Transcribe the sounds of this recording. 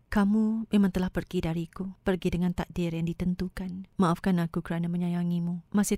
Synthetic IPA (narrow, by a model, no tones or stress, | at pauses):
kamumemãŋt̪əlahpərɡidaɾikupərɡidəŋãnt̪aʔ̚dɪrjaŋdit̪ənt̪ukanmaʔafkanakukəɾanaməɲajaŋimũmasɪ